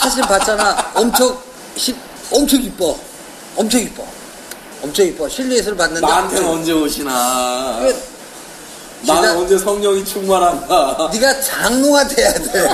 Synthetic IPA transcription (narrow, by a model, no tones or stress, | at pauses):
sʰaɕ̬ʰiɭpat̚t͡ɕ͈anaʌmt͡ɕʰʌk̚ | ɕʰi | ʌmt͡ɕʰʌɡip͈ʌ | ʌmt͡ɕʰʌɡip͈ʌ̰ | ʌmt͡ɕʰʌɡip͈ʌɕʰiʎːies̬ʰɯɭpanːɯndantʰenʌnd͡ʑeoɕʰinaɡe | naaʌnd͡ʑesʰʌŋɲʌŋit͡ɕʰuŋmaɾɦandaniɡat͡ɕaŋnoŋadejadeɭ